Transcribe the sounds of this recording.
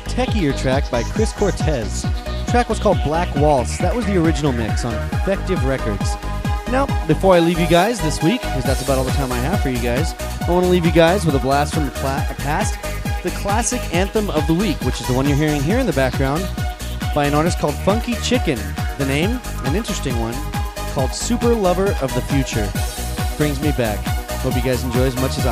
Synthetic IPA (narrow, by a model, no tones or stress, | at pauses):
tʰɛkiə˞tʰɹ̥æk̚b̥aɪkʰɹ̥ɪskʰɔɹtʰɛz̥tʰɹ̥ækwʌz̥kʰɔlˠd̚blækwɔlˠsðət̚wʌzðiə˞ɪd͡ʒɨnl̩ˠmɪ̰ksn̩ɪfɛk̚tɨvɹɛkə˞dz̥naʊbɨfɔɹaɪlivjɨɡaɪzðɪswikʰːʌzðætsəbaʊɾɔlˠðətʰãɪ̃maɪæv̥fə˞jɨɡaɪzaɪ̃wɑ̃nəlivjɨɡaɪzwəðəblæstfɹʌ̃mpʰæsðɨkʰl̥æsɨkæ̃nθə̃mʌvðəwikwɨt͡ʃɨzðəwʌ̃njə˞ɦiɹɪ̃ŋɦiɹɨ̃nðɨbæk̚ɡ̥ɹãʊ̃nb̥aɪɨ̃nɔɹɾɨskʰɔlˠd̥fʌ̃ŋkit͡ʃʰɪkɨ̃nðɨnẽɪ̃mɨ̃nɪ̃nt͡ʃɹ̥ɨstɪ̃ŋwʌ̃nkʰɔlˠd̥sʉpə˞lʌvə˞ʔʌvðɨfjʉt͡ʃə̰˞b̥ɹɪ̃ŋzmibækobiɡaɪzn̩d͡ʒɔɪɨzmʌt͡ʃɨz